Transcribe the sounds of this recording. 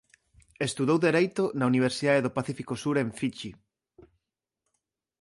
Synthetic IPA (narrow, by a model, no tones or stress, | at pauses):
est̪uðowðeɾejt̪onauniβ̞eɾsiðaðeðopaθifikosuɾeɱfit͡ʃi